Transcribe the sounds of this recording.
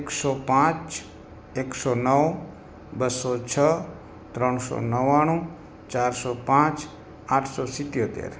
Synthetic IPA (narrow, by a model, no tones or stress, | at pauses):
eksɔpãt͡ʃ | eksonəw | bəsɔt͡ʃʰə | t̪ɾəɳsɔ̰nəʋaɽ̃ũ | t͡ʃaɾsɔpãt͡ʃ | aʈʰsɔsɪt̪jot̪ḛɾ